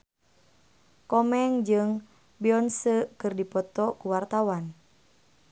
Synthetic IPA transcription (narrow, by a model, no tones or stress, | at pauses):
kɔmɛŋd͡ʒɨŋ | biɔnsəkɨrdipɔt̪ɔkuwart̪awan